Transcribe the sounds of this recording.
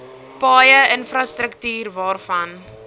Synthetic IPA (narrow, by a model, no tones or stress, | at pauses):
pɑːjəənfrɐstɾəktyːrvɑːrfɐn